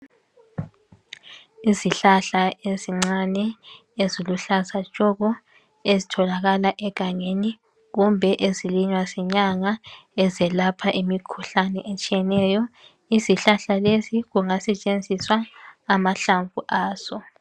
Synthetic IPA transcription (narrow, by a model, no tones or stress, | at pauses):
iziɬaɬaʔeziŋ͡ǀanɛ | eziluɬasḁʒ̥ʱʼɔɣɔ | ezitʰɔlaɣalaʔɛɡ̥ʱaŋeni | ɣumbʱɛʔeziliɲwazɛɲaŋaɛzɛlapʰaʔimikʰuɬanɛʔet͡ʃʼijɛnɛjɔ | iziɬaɬaleziɣuŋasɛt͡ʃʼend͡zʱiswaːmaɬaɱvuʔaːz̥ɔ